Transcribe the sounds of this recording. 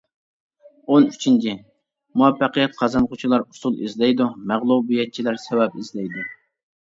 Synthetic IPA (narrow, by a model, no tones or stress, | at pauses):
onyt͡ʃʰint͡ʃʰi | muɛpːɑqəjɛt̪̚qʰɑzɑnqʰʊt͡ʃʰilˠɑɾusulˠizlɛjd̪umæʁlˠubijɛt̪̚t͡ʃʰilæɾsɛwɛpizlɛjd̪u